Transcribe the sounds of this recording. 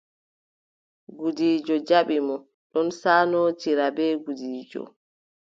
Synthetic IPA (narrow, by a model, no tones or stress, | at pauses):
ɡudiːd͡ʒɔd͡ʒaɓimɔ | ɗɔnsaːnoːt͡ʃiɾabɛːɡudiːd͡ʒɔ̰